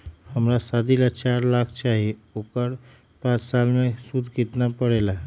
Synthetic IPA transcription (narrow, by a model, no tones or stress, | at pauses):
həmɾasad̪ʱilat͡ʃaɾlakt͡ʃaɦiokəɾ | pãt͡ʃsalmesud̪ʱkit̪napəɽela